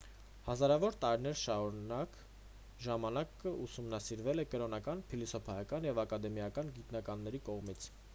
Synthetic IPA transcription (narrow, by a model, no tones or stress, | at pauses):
hɑzɑɾɑvɔɾt̪ɑɾinɛɾʃɑɾunɑk | ʒɑmɑnɑkəusumnɑsiɾvɛlɛkəɾɔnɑkɑnpʰilisɔpʰɑjɑkɑnjɛvɑkɑd̪ɛmijɑkɑnɡit̪nɑkɑnːɛɾikɔʁmit͡sʰ